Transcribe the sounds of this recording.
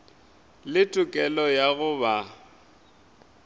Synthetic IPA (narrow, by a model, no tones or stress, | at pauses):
lɪtʼʊkʼɛlɔjaɣʊba